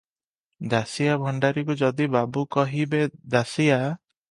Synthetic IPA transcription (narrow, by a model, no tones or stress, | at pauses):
d̪asijabʱɔɳɖaɾikud͡ʒɔd̪ibabukɔɦibed̪asija